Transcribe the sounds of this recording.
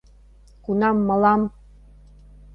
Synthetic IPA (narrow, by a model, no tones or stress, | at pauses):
kunɑmːɤ̆lɑm